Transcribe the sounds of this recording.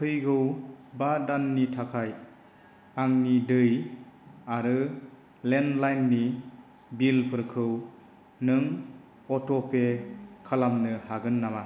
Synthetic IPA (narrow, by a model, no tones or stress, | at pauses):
kʰɯjɡɯwbadanːitʰakʰaj | aŋnidɯj | aɾɯ | lenlajnːi | bilpʰɯɾkʰɯw | nɯŋ | ɔtɔpʰekʰalamnɯhaɡɯnːama